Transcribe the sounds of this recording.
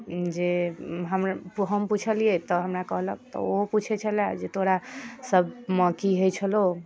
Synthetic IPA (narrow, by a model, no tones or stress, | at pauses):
d͡ʒeɦəmɾɦəmput͡ʃʰəliet̪ɔɦəmɾakəɦlək̚t̪ɔ̰oput͡ʃʰɛt͡ʃʰəlad͡ʒet̪ʰoɾasəb̚məkiɦojt͡ʃʰəlo